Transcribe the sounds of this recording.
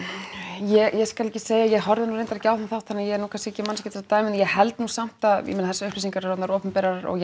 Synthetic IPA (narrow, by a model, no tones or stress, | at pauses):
jɛjɛskalɛcːɪ̥seːjajɛɣɦɔɾðɪnuɾejnt̪aɾcawθamθaw̥t̪ʰːanːajɛɛɾnuːkʰanscɪɛcːɪmanːscɪt̪θɛlat̪aːjmɪnjɛɣhɛlt̪nuːsam̥t̪aðɪ̰mɪnaθɛsːaʏhplisiŋkaɾɛɾɔt̪naɾɔːpʏmpɛːɾaɾɾɔ̰ɣ